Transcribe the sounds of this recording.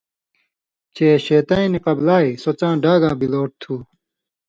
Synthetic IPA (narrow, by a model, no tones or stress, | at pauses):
t͡ɕeːɕeːt̪ɐːĩniqɐblaːisot͡ɕãːɖaːɡãːbiloːʈ̚t̪ʰuː